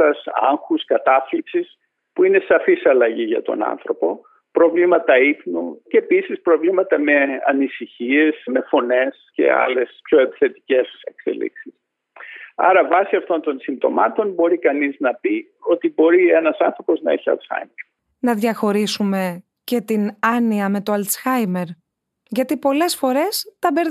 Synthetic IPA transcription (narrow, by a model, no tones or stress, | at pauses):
ɐsɐ̰ŋxuskɐt̪ɐflipsis | puine̞sɐfisɐlɐʝiʝɐ̰t̪o̞̰nɐ̰nθɾo̞po̞ | pɾo̞vlimɐt̪ɐiθnuceːpisispɾovlimɐt̪ɐme̞ɐ̰nisiçie̞sme̞fo̞ne̞sce̞̰ɐ̰le̞spço̞e̞pi̥θe̞t̪i̥ce̞se̞kse̞̰lḭksis | ɐ̰ɾɐvɐsiɐft̪o̞nt̪o̞nsind̪o̞̰mɐt̪o̞nbo̞ɾikɐniznɐpi | o̞t̪ibo̞ɾienɐsɐ̰nθɾo̞po̞znɐeçiɐ̰lt̪sxɐ̰jmeɾ | nɐðʝɐxo̞ɾisume̞ | ce̞t̪inɐniɐme̞t̪oɐlt̪sxɐjme̞ɾ | ʝɐt̪ipo̞le̞sfo̞ɾe̞st̪ɐbe̞ɾ